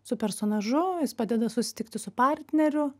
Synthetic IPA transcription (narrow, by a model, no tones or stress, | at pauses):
sʊpʲɛɾsoːnɐʒʊjɪspɑːd̪ʲɛd̪ɐsʊsʲɪ̥t̪ʲɪkt̪ʲɪsʊpɑɾʲt̪ʲnʲɛɾʲʊ